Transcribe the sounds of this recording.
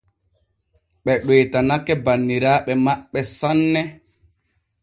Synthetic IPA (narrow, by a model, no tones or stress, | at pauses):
ɓɛɗweːtanakːɛbanːiɾaːɓɛmaɓːɛsanːɛ